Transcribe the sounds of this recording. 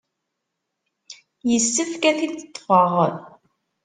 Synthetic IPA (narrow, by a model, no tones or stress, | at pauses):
jəsːəfkæθiθə̥t̪ˤːfəʁ